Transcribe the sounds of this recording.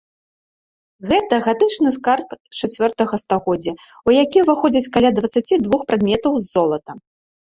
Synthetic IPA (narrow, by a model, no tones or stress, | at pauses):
ɣɛt̪ɐɣat̪ɨt͡ʂnɨskarpt͡ʂat͡sʲvʲɔrt̪ɐɣɐst̪aɣɔd͡zʲɐ | ujakʲivɨxɔd͡zʲɐt͡sʲkalʲad̪vɐt̪sat͡sʲid̪vuxpɾad̪mʲɛt̪ɐwzːɔlˠɐt̪ɐ